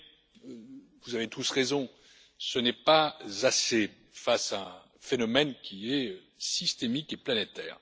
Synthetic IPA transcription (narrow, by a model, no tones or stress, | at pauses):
vuzavet̪usʁezɔ̃ | sənɛpazase | fasaɛ̃ | fenɔmɛnkʲiɛø | sist̪emikeplanet̪ɛːʁ